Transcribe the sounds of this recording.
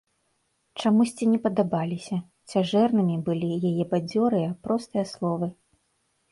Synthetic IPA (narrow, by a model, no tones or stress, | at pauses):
t͡ʂamusʲt͡sʲinʲɛpɐd̪abalʲisʲɐ | t͡sʲaʐɛrnɨmʲibɨlʲijajɛbad͡zʲɔɾɨjapɾɔst̪ɨjɐslˠɔvɨ